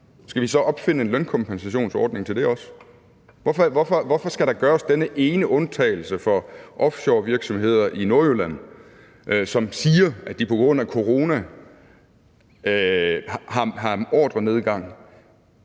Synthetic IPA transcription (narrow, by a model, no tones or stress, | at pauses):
sɡ̥æʋisɒ̽ʔɒ̽b̥fe̝n̰əe̝nlønkʰɒ̽mpʰensæɕo̝̰ːnsɒ̰ːd̥ne̝ŋt͡sʰe̝ld̥e̝ɒ̽s | ʋɒfɒʋɒfɒ̽ʋɒfɒ̽sɡ̥æɾ̥ɑ̈ɡ̥ɶːɐsd̥enəʔe̝ːnəʔɔ̽nt͡sʰɛ̰ːɪl̩səfɒ̽ʔɒ̽fɕoːʋiɐɡ̥sɒ̽mɦe̝ð̰ˠɐʔino̝ɐølæn̰ | ʔsɒ̽msiːɐæd̥ipʰɒ̽ɡ̥ʁɔ̽n̰ækʰo̝ʁo̝ːnæ | hɑ̈ɦɑ̈ɒ̰ːd̥ʁɐne̝ð̞ˠɡ̥ɑ̈ŋ̰